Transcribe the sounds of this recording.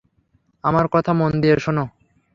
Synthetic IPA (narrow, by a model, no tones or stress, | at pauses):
amaɾkɔt̪ʰamond̪ieɾʃono